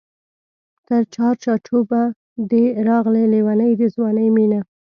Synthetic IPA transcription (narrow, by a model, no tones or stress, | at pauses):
t̪əɾt͡ʃɑɾt͡ʃɑt͡ʃoba | d̪eɾɑɣlelewanəjd̪əzwɑnəjmina